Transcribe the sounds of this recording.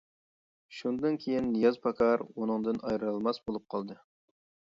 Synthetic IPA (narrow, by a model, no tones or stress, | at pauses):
ʃund̪ɨnkʲʰejinːijɑzpʰɑkʰɑɾunɨŋd̪ɨnɑjɾɨlˠmɑsbolˠup̚qʰɑlˠd̪ɨ